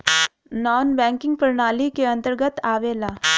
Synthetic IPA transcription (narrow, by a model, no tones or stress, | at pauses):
nɔːnbɛ̃ːŋkɪ̃ŋɡpəɾɳaːlikeɐ̃nt̪əɾɡət̪aːʋeːlaː